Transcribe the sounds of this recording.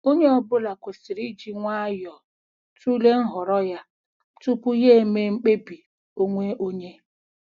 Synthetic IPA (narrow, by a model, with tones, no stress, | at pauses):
o˦ɲe˦ɔ˦bʊ˦la˨kʷe˨si˨ɾi˦d͡ʒi˦ŋʷa˦jɔ˨ | tu˦le˦n̩˦ɦɔ˨ɾɔ˦ja˦ | tu˦pʊ˦je˦me˦ŋ͡m̩˦k͡pe˦bi˨ | o˦ŋʷe˦ʔo˦ɲe˦